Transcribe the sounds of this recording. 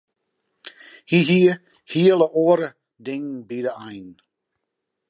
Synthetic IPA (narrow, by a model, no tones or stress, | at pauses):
hiɦiə | hiəlˠəʔoəɾə | dɪŋbidəajn